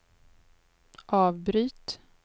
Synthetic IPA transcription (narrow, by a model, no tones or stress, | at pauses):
ʔɑːvbɾyːt̪